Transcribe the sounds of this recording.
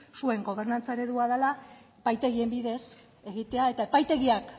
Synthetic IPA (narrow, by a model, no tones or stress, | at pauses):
sue̞ŋɡo̞β̞e̞rnant͡saeɾe̞ðuaðala | epajt̪e̞ɣie̞mbiðe̞s | e̞ɣit̪e̞ae̞t̪ae̞pajt̪e̞ɣiak